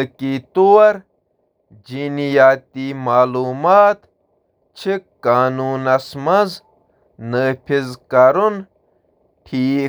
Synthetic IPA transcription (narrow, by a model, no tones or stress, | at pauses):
kit̪uwɐɾ | d͡ʒd͡ʑinijaːt̪imaːluːmaːt̪ | t͡ɕʰikaːnuːnɐsmɐz | nəːpʰizkɐɾun | ʈʰiː